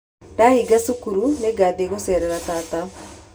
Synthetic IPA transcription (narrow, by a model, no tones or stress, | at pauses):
daɦiɡasukuɾuneɡad̪eɣosɛːɾɛɾataːta